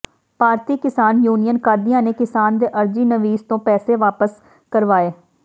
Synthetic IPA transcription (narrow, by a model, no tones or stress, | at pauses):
paːɾt̪iːkɪsaːnjuːnijənkaːɾd̪ijãːneːkɪsaːnd̪eːʔəɾd͡ʒiːnəʋiːzt̪õːpɛːseːʋaːpəs | kəɾʋaːeː